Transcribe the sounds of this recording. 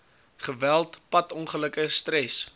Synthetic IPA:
χəvælˠtpɐtɔnχələkəstɾɛs

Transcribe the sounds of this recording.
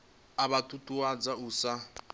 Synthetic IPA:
aβatʼutʼuad͡zauːsa

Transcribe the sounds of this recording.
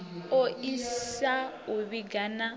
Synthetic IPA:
oʔisa | uβiɡana

